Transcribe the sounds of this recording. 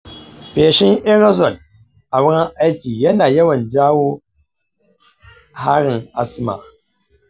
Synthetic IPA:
peː˨ʃɪ˦ŋʔɛ˦ɾa˦zɔ˨l | ʔa˨wʊ˦ɽɐ˦ŋʔa˦jkʲiː˨jɐ˦naː˨jɐ˦wɐ˨nd͡ʒaː˦woː˦ | ha˦ɽɪ˨ŋʔa˦sma̰˨

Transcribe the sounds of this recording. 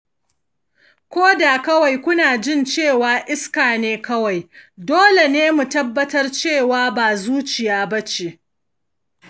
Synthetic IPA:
kʷoː˦da˨kɐ˦wa˨jkʷʊ˦naː˨d͡ʒɪ˦˨nt͡ʃeː˦˨waː˨ʔɪ˦skaː˨neː˦kɐ˦wa˨jdoː˦le˨neː˦mu˨tɐ˦bːɐ˦tɐ˦rt͡ʃeː˦˨waː˦baː˨zuː˦t͡ʃɪ˨jaː˦bɐ˦t͡ʃe˨ʔ

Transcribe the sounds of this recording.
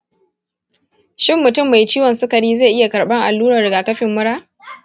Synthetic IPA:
ʃɪ˦mːʊ˨tʊ˦˨mːa˨jt͡ʃiː˦wɐ˨nsʊ˦kɐ˨ɽiː˦za˦˨ʔɪ˦ja˨kɐ˨ɽɓɐ˦ŋʔa˨lːuː˦ɾɐ˨dɐ˨ɡa˨kɐ˦ɸɪ˨mːʊ˦ɽaː˦

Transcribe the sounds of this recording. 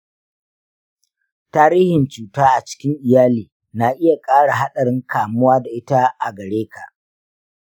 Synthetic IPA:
taː˦ɾiː˦hɪ˨nt͡ʃuː˨taː˦ʔa˨t͡ʃɪ̥˦kʲɪ˦ŋʔɪ˨jaː˦liː˨ | na˨ʔɪ˦ja˨kʼaː˦ɽa˨ɦa˦ɗɐ˨ɾɪ˦ŋkʰaː˨mʊ˦waː˦da˨ʔɪ˦ta˦ʔa˨ɡɐ˨ɽeː˦ka˨ʔ

